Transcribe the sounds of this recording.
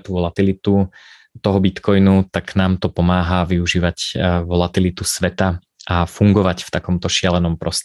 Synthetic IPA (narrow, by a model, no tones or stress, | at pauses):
t̪uʋɔlat̪ilit̪u | t̪ɔɦɔbit̪kɔjnut̪aknaːmt̪ɔpɔmaːɦaʋiuʒiːʋacʋɔlat̪ilit̪usʋɛt̪a | afuŋɡɔʋacft̪akɔmt̪ɔʃɪalɛnɔmpɾɔst̪